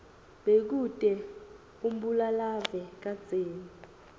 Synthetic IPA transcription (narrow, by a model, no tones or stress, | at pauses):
ɓek̬ud̥ʼɛ | um̩ɓulalavɛk̬ad̥d͡z̥ʱeːni